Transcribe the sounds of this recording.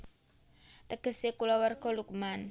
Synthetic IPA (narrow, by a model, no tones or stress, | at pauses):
t̪əɡ̥ə̤sekulɔwərɡ̥ɔ̤lukman